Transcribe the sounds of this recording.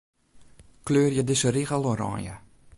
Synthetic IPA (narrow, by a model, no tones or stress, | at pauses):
kløːrjədəsəɾiɣəlˠoɾɑ̰ːnjə̰